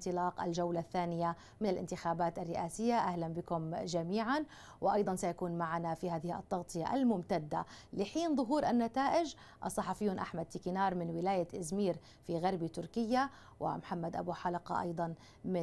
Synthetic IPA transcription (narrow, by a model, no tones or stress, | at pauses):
t̪ɨlɑːqʔa̰lʒawlaθːaːnɪja | mɪnalʔɪ̰nt̪ɪxaːbaːt̪ʔarːɪʔaːsɪjːaʔahlanbɪkʊmʒamiːʕan | wɪʔɑjd̪ˤɑnsajakuːnmaʕanafihaːðɪhiʔɑ̰t̪ˤːɑɣt̪ˤɨja̰ʔa̰lmʊmt̪ad̪ːalɪħiːnðˤʊɦuːɾʔanːat̪aːʔɪd͡ʒ | ʔɑsˤːɑħɑfɪjːuːnʔaħmad̪̚t̪ɪkɪnɑːɾˤmɪnwɪlaːjat̪ʔɪzmiːɾ | fiɣɑɾˤbit̪ʊɾkɪjːa | wɪ̰mħamːad̪ʔa̰buːħalɑqɑ̰ʔɑ̰jd̪ˤɑn | mɪ